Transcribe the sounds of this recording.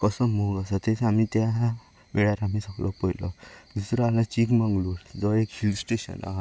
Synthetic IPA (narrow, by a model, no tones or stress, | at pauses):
kɔsɔmoɡasat̪esamit̪ja | ʋeɭaɾamisəklʔɔpɔjlɔ̰d̪usɾɔalãt͡ɕikmãŋɡluːd͡zɔekhilsʈeɕə̰na̰ɦa